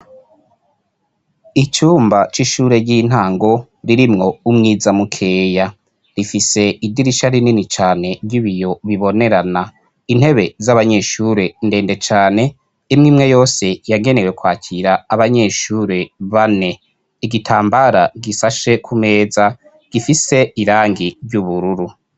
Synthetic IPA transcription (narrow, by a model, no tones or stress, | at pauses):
it͡ʃuːmbat͡ʃiʃuːɾe̞ɟin̥haːŋɡo̞ | ɾiɾimŋo̞umŋiːzamukʰe̞ːja | ɾifise̞idiɾiʃaɾininit͡ʃaːne̞ɾɟiβijo̞βiβo̞ne̞ɾana | in̥he̞βe̞zaβaɲe̞ʃuɾe̞nde̞ːnde̞t͡ʃaːne̞ | imŋiːmŋe̞jo̞ːse̞jaɡe̞ne̞we̞kwaːcʰiɾaːβaɲe̞ʃuːɾe̞βane̞ | iɡitʰaːmbaɾaɡisaʃe̞kʰume̞ːza | ɡ̥ifise̞iɾaːŋɡiɾɟuβuɾuɾu